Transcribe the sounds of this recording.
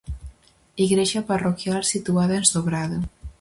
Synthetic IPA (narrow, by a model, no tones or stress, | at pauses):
iɣɾeʒaparokjalˠsit̪uaðaenzðoβɾaða